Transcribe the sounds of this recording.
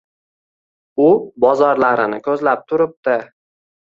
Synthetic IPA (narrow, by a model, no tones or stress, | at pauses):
ʊbɒzɒɾlaɾɪnɪkʰɵzlap̚t̪ʰʊɾɪp̚t̪ɪ